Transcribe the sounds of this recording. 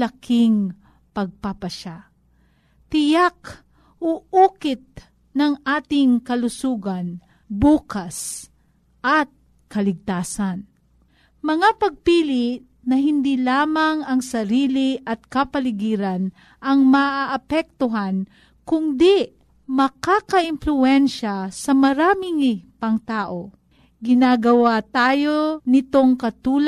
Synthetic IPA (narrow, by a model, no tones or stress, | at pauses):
lɐkɪŋ | pɐɡ̚papɐʃa | t̪ɪjak | ʔoʔukɪt̪̚ | nɐŋʔaːt̪ɪŋkɐlʊsuːɡan | buːkas | ʔɐt̪̚ | kɐlɪɡ̚t̪aːsan | mɐŋapɐɡ̚piːlɪʔ | nɐɦɪnd̪ilaːmɐŋɐŋsɐɾiːliʔɐt̪̚kɐpɐlɪɡiːɾan | ʔɐŋmɐʔaʔːpɛk̚t̪ʊɦan | kʊnd̪i | mɐkakɐʔɪnflʊɛnʃasɐmɐɾaːmɪŋɪpɐŋt̪aːʔo̞ | ɡɪnaɡɐwat̪aːjo̞nɪt̪o̞ŋkɐt̪uːl